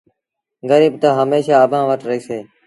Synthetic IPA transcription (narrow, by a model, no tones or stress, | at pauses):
ɡəɾiːbt̪aɦəmeːʃaːəbʱãːʋəʈɾəɦiːseː